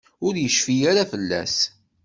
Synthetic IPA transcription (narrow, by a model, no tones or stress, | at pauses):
ʊɾjəʃfijaɾafəlːæ̰s